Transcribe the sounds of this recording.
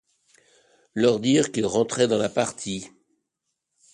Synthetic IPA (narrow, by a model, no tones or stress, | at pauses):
lœʁd̪iʁkʲilʁɑ̃t̪χɛd̪ɑ̃lapaʁt̪ʰi